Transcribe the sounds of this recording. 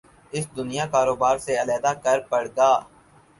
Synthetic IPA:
ɪsd̪ʊnijakaːɾoːbaːɾseɐlɛːd̪akɐɾpɐɽ̤ɡaː

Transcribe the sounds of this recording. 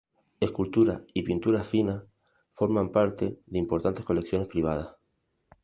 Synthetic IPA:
e̞skult̪uɾa̰ipint̪uɾafina | fo̞ɾmãmpaɾt̪e̞ðeimpo̞ɾt̪ant̪e̞hko̞le̞ksjo̞ne̞spɾiβ̞að̞as

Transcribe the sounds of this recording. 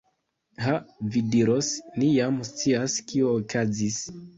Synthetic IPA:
havidiɾosnijamst͡siaskioːkʰazis

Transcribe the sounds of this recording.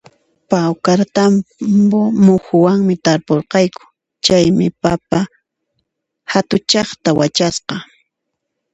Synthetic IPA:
pawkaɾt̪ambomʊxʊwaŋmɪt̪aɾpoɾqɑjkʊ̥ | t͡ʃajmɪpapa | hat̪ʊt͡ʃɑχt̪awat͡ʃasqɑ

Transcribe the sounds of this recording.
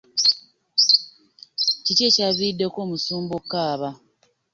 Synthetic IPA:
cice̞caβidːe̞ko̞ːmusuːmbo̞kːaːβa

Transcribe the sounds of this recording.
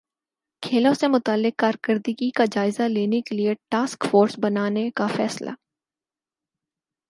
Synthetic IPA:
kʰeːlõsemʊt̪aːlːɪkːaːɾkəɾd̪iɡikad͡ʒaːɪzaleːnekelieʈaːskfoːɾsbɐnaːnekafɛːsla̰

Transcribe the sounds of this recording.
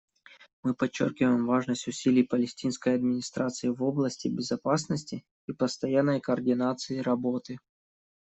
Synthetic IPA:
mɨpɐt͡ɕːo̰rkʲɪvəjɪmvaʐnəsʲtʲʊsʲilʲɪjpəlʲɪsʲtʲinskəjɐd̪̚mʲɪnʲɪst̪ɾat̪sɨɪvo̞blˠəsʲtʲɪbʲɪzɐpasnəsʲtʲɪ | ipəst̪ɐjanːəjkɐːrdʲɪnat̪sɨɪɾɐbot̪ɨ

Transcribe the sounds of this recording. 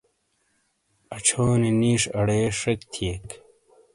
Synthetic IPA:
ɐt͡ɕʰoːniniːʂɐɽeːʂɐkt̪ʰieːk

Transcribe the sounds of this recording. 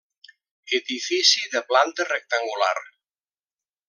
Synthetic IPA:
eðifisiðəplant̪ərek̚t̪aŋɡula̰r

